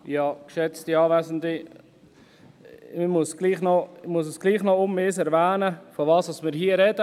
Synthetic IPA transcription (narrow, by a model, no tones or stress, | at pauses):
jɑːkʃɛt͡stiɑːvæsəndi | mɪmusɡ̥liːχnɔɪmuəs̬əsɡ̥liːχnɔʊmːeːsɛɾvæːnəfɔʋɑːsɑsmɪːɾɦiəɾɛdə